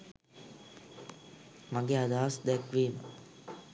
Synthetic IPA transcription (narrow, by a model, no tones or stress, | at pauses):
maɡead̪aːsd̪ækʋeːmə̰